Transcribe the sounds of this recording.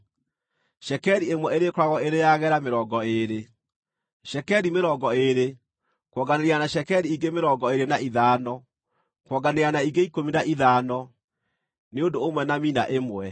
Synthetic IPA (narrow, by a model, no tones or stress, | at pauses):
ʃɛkɛɾiemwɛeɾekoɾwaɣɔeɾejaɣɛɾameɾɔːɡɔeɾe | ʃɛkɛɾimeɾɔɡɔeɾe | kwɔɡaneɾianaʃɛkɛɾiiɡemeɾɔɡɔeɾenaiðaːnɔ | kwɔɡaneanaiɡeikominaʔiðaːnɔ | neondoomwɛnamina̰ʔemwɛ